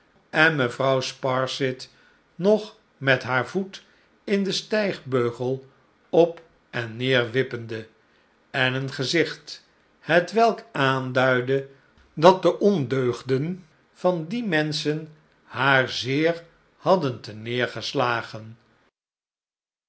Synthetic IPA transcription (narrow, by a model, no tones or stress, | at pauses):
ɛnməvrɑwspɑɹsɪt | nɔχ | mɛtɦaːɹvut | ɪndəstɛjχbøɥχəlˠ | ɔp | ʔɛnːɪːɹʋɪpəndə | ɛnənχəzɪχt | hətʋɛlˠkaːndœɥdə | dɑt̚dəʔɔndøɥχdən | v̥ɑndimɛnsən | haːɹzɪːɹ | hɑdəntənɪːɹχəslaːχən